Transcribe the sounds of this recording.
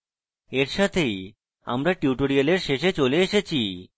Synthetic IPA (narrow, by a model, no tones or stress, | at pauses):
eɾʃat̪ʰej | a̰mɾaʈiuʈoɾialeɾʃeʃet͡ɕoleeʃet͡ɕʰi